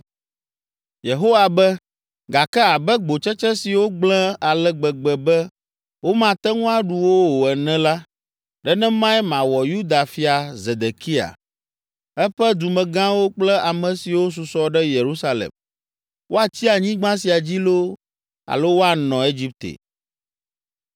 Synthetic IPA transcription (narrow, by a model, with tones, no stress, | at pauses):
je˨ɦo˦wa˨bɛ˦ | ɡa˨kɛ˦a˨bɛ˦ɡ͡bo˨t͡ʃɛ˦t͡ʃɛ˦si˨wo˦ɡ͡blɛ̃˦a˨lɛ˦ɡ͡bɛ˨ɡ͡bɛ˨bɛ˦ | wo˦mã˨t̪ɛ˦ŋũ˦a˦˨ɖu˨wo˦wo˨ɛ˨nɛ̃˦la˦ | ɖɛ˦nɛ̃˦mã˦ɛ˦mã˨wɔ˨ju˦d̪a˨fi˦a˨ze˨d̪e˨ki˦a̰˨ | ɛ˦ɸɛ˦d̪u˨mɛ̃˨ɡã˦wo˦k͡plɛ˦a˨mɛ̃˨si˨wo˦s̬u˨sɔ˦ɖɛ˦je˨ɾu˦sa˦lḛ˨m | wʔo˦a˨t͡ɕi˦a˨ɲĩ˦ɡ͡bã˦si˨a˨d͡ʑi˦lo˦ | a̰˨lo˦wo˦a˨nɔ̃˨e˦d͡ʑi˦p̚t̪ḛ˨